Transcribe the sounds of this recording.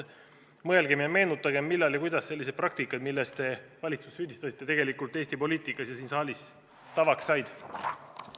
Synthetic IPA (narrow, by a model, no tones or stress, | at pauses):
mɤe̞lɡ̥e̞mjɑme̞ːnut̪ːˑɑɡe̞mːilːɑljkujd̪̥ɑsːe̞lːis̬e̥prɑk̚t̪ikːˑɑd̪milːest̪t̪e̞vɑlʲit̪su̥sːyːd̪̥ist̪ɑsit̪ːˑe̞t̪e̞ɡ̥e̞likːˑult̪ːe̞ːsʲt̪ipo̞liːt̪ˑikːˑɑsjɑsiːnsɑːlʲis | t̪ɑvɑksːɑjd̪̥